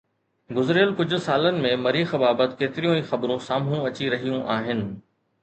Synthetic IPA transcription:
ɡʊzɪɾɪjəlkʊd͡ʑʱʊ̆saːlənɪ̆mẽmɐɾiːxbaːbət̪keːt̪ɪɾijõiːxɐbɾõsaːmɦũɐt͡ɕiɾɐɦijũʔaːɦɪnɪ̆

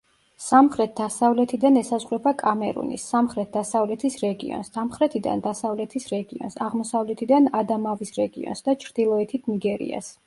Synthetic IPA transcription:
samχɾɛt̪̚ʰd̪asavlɛt̪ʰid̪anɛsazʁɾɛbakʼamɛɾṵnḭsːamχɾɛt̪̚d̪asavlɛt̪ʰisɾɛɡḭɔ̰nsd̪amχɾɛt̪ʰid̪a̰nd̪asavlɛt̪ʰisɾɛɡiɔ̰nsaʁmɔsavlɛt̪ʰid̪anad̪amavisɾɛɡiɔ̰nsd̪at͡ʃʰɾd̪̥ilˠɔɛt̪ʰit̪ʰniɡɛɾḭa̰s

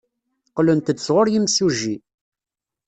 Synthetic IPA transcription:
qlənt̪ət͡sːʁoɾjimsuʒi

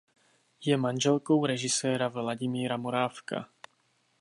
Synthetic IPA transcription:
jɛmanʒɛlko̞wɾɛʒɪsɛːɾavlaɟɪmiːɾamo̞ɾaːfka̰

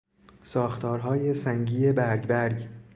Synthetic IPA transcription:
sɒːxt̪ʰɒːɾɦɒːje̞sæŋɟiːebæɾɟbæɾɡ

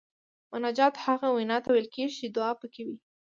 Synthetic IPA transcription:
mʊnad͡ʒɑt̪haɣawinɑt̪awejlkeʒit͡ʃed̪ʊɑpəkewi

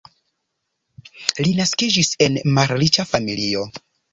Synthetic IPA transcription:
linaskid͡ʒise̞nmaɾlit͡ʃafamilio̞

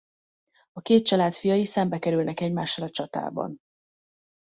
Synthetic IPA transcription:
ɒkeːt̪̚t͡ʃɒlaːt̪fijɒjisɛmbɛkɛɾylnɛkɛɟmaːʃːɒlɒt͡ʃɒt̪a̰ːbɒ̰n

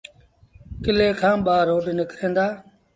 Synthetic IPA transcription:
kɪleːkʰãːɓaːɾoːɖnɪkɾẽːnd̪aː

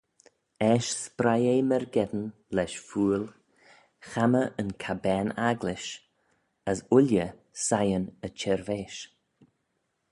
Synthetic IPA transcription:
ɛʃspɾajeːmɛɾɡɛd̪ən | lɛʃfuːl | xaməʔənkʰabɛːnaɡlɪʃ | əsʊljə | sajənət͡ʃʰɛɾveːʃ

